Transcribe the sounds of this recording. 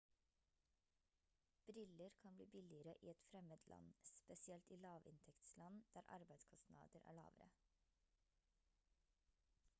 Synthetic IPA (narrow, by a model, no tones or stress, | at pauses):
b̥ɾɪləɾkʰɑnbliːbɪlɪəɾəʔiːɛt̪fɾɛmət̪ʰlʔɑ̰nspɛsɪɛlt̪iːlɑːʋɪ̰nt̪ʰɛkt̪slɑnd̪̥æːɾʔɑ̰ɾbæɪd̪skʰɔsnɑ̰ːd̪əɾʔæ̰ːɭɑ̰ːʋəɾə̰